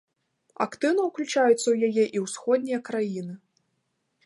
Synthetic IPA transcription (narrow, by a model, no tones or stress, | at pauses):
a̰kt̪ɨwnɐwklʲut͡ʂajut̪sːɐwjajɛʔiwsxɔd̪̚ʲnʲijɐkɾajinɨ